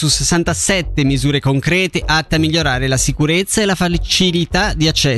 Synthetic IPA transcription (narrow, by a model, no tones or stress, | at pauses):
susesːant̪asɛt̪ːemizuːɾekoŋkɾɛːt̪eʔat̪ːeamːiʎːoɾaːɾelasikuɾet̪sːaelafat͡ʃilit̪ad̪iat͡ʃːɛ